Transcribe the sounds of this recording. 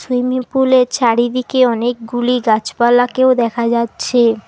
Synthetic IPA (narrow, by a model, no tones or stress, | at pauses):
swimipuleɾt͡ɕaɽid̪ikeɔnek̚ɡuliɡat͡ɕpalakeod̪ɛkʰad͡ʑatːɕʰe